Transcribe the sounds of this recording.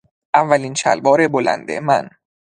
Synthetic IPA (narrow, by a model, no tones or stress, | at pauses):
ʔævːæliːnt͡ʃʰæ̰lbɒːɾebolæ̰nd̪ḛmæ̰n